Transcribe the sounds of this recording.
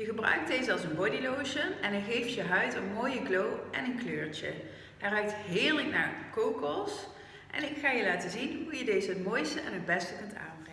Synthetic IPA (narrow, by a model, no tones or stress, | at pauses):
jəɣəbrœ̰ɥk̚dejzəɑlˠsənbɔdiloːʃəɛnɛχejftjəɦœɥtənmoːjəklowʔɛnənkløːɹt͡ʃə̰ | ɛrœɥk̚tɦɪːɹləkna̰ːɹkowkɔs | ʔɛ̰nɪkχaːjəlaːtəzinɦujədejzəɦətmoːjstəʔɛ̰nɦəd̚bɛstəkɵnta̰ːnbrɛŋə